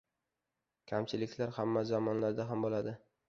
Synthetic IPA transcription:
kʲʰamt͡ʃʰɪlɪkʲlaɾhamːazamɒnlaɾd̪aɦambolad̪ɪ

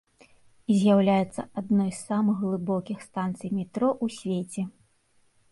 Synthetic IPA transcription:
izʲjawlʲajɛt̪sɐʔad̪nɔjsːamɨɣɣlˠɨbɔkʲixst̪ant̪sɨjmʲɛt̪ɾɔʔusʲvʲet͡sʲɛ

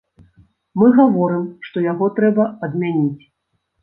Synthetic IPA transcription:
mɨɣavɔɾɨmʂt̪ɔjaɣɔt̪ɾɛbɐɐd̪mʲanʲit͡sʲ

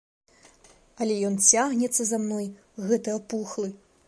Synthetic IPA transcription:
ɐlʲɛjɔnt͡sʲaɣnʲɛt̪sːɐzamnɔj | ɣɛt̪ɨjɐpuxlˠɨ

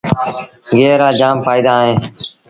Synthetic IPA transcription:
ɡeːɾaːd͡ʒaːmpaːiːd̪aːɦẽː

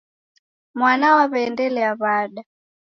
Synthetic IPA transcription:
mwanawaβɛːndɛlɛaβaɗa

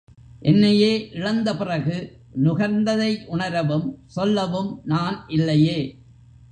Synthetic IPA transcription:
ʔɛnːɐjeːʔɪɻɐnd̪ɐpɪrɐɣɯ | nʊɣɐɾnd̪ɐðɐɪʔʊɳɐɾɐʋɯmsɔlːɐʋɯmnaːnʔɪlːɐjeː

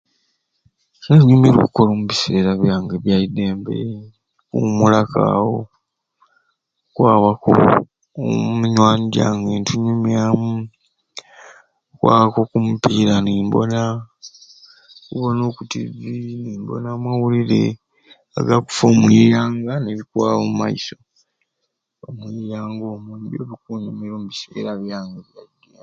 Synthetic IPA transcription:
neɲumiɾṵkuko̞loːmuβise̞ːɾaβjaːŋɡeβjaide̞ːmbḛ | kṵmulaka̰ːwo | kwaːβako̰ | muɲwaːɲiɟa̰ːŋɡentuɲumjamu | kwʔa̰ːβako̞kumupiːɾaniːmbo̰na | kṵβono̞ːkutḭðiniːmbo̰namwawuliɾḛ | a̰ɡaku̥fomwiːjaːŋɡaneβikwaːβomuma̰iso̞ | omwiːjaːŋɡoːmundo̰βikuːɲamiɾomuβise̞̰ːɾaβjaːŋɡeβjada

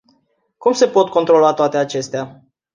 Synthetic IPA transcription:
kumse̞po̞t̪̚ko̞nt̪ɾo̞loat̪oat̪e̞at͡ʃe̞st̪ea

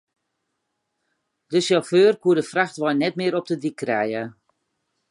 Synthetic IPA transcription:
dəʃjɔføːrkuədəfraxtʋɔjnɛtmɪːɾɔp̚dədikʰːrɛjə

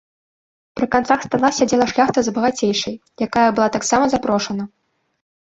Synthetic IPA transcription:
pɾɨkant̪saxst̪alˠasʲad͡zʲɛlˠɐʂlʲaxt̪ɐzbɐɣat͡sʲejʂɐjjakajɐbɨlˠat̪aksamɐzapɾɔʂɐnɐ

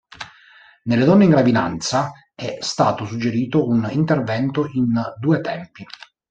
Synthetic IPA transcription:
nelːed̪ɔnːeiŋɡɾavid̪a̰nt̪sa | ɛst̪aːt̪osud͡ʒːeɾiːt̪ounint̪ervɛnt̪oind̪uːet̪ɛmpi

